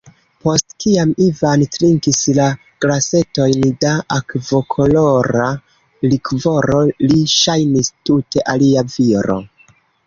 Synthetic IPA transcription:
po̞stkiamivantɾiŋkisla | ɡ̥lase̞to̞jndaakvo̞kʰo̞lo̞ɾa | likvo̞ɾo̞liʃajnistute̞ʔaliaviɾo̞̰

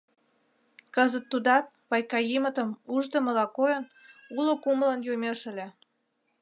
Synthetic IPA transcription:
kəzət̪ːud̪ɑt̪̚βɑjkɑjimə̆t̪əmuʒd̪ə̆mə̆lɑkojən | ulokumələnjomeʃə̆lʲĕ

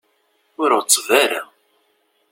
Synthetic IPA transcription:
ʊɾʊt͡sˤːvæɾa̰

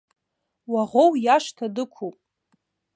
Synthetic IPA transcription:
waʁʷowjaʂtʰadɨkʷʰupʼ

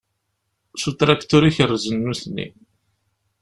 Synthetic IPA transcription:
sut̪ɾakt̪uɾiçərːzənːuθnːḭ

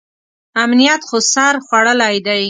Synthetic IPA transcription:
amnijat̪xosaɾxwaɽəlajd̪aj

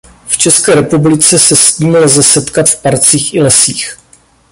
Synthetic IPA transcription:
ft͡ʃɛskɛːɾɛpublɪt͡sɛsɛsciːmlzɛsɛt̪kat̪fpaɾt͡siːxʔɪlɛsiːx

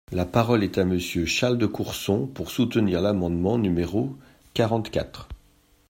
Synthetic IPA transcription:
lapaʁɔlɛt̪aməsjøʃaʁld̪əkuʁsɔ̃puʁsut̪əniʁlamɑ̃d̪mɑ̃nymeʁo | kaʁɑ̃t̪kʲa̰t̪χ

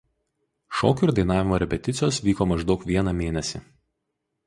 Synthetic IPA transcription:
ʃɔ̰ːkʲʊɾd̪ɐɪn̪ɑːʋʲɪmoːɾʲɛpʲɛt̪ʲɪt̪sʲɪjoːsʋʲiːkoːmɐʒd̪ɒʊkʋʲiɛnɑmʲeːnʲɛsʲɪ̰

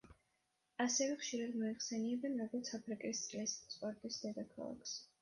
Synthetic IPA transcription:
asɛvɛχʃiɾad̪mɔiχsɛniɛbɛnɾɔɡɔɾt̪sʰapʰɾikʼist̪sʼlɛsspʼɔɾt̪ʼisd̪ɛd̪akʰa̰lˠa̰kʰs

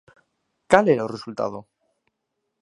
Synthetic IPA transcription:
kaleɾaoresult̪a̰ð̞o

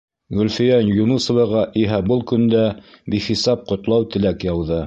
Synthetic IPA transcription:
ɡɵ̆lfĭjɑnjunusɤ̆vɤ̆ʁɑʔiɦæbɤlˠkɵ̆nd̪æbiχisɑp̚qŏt̪lˠɑwt̪ɘ̆lækjɑwðɤ

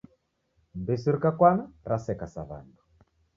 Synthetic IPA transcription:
mbesiɾkakwanaɾasɛkasaβa̰ndu

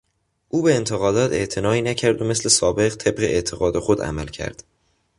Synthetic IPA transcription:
ʔuːbe̞ːnt̪ʰeɣɒːd̪ɒːt̪ʰe̞ʔt̪ʰe̞nɒːiːnæcʰæɾd̪ome̞sle̞sɒːbe̞ɣt̪ʰe̞bɢe̞ʔet̪ʰeɣɒːd̪exod̪æ̰mælcʰæ̰ɾd̪̥

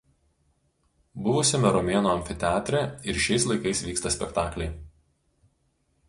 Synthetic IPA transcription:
bʊʋʊsʲɪmʲɛɾɔmʲeːnoːɐmʲfʲɪt̪ʲæːt̪ʲɾʲɛɪɾʃʲɛɪslˠɐɪkɐɪsʋʲiːkst̪ɐsʲpʲɛkt̪ɑːklʲɛɪ

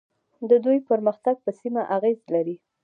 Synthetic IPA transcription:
d̪əd̪ujpəɾməxt̪aɡ̚pəsimaʔaɣezlaɾi

